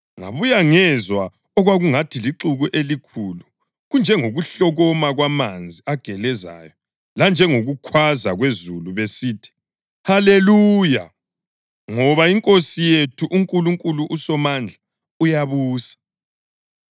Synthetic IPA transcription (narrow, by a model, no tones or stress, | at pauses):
ŋa̰βujaŋɛzwa | ɔɣwaɣuŋatʰiliǁuɣuʔelikʰulu | ɣund͡ʒʱɛŋoɣuɬɔɣɔmaɣwamand͡zʱiaɡ̥ʱɛlɛza̰jɔ | land͡ʒʱɛŋoɣukʰwazaɣwezuluβesiːtʰi̥ | haleluːja | ŋɔβaiŋkʼosijetʰuʔuŋkʼuluŋkʼuluʔusɔmand͡ɮʱa | ujaβuːsḁ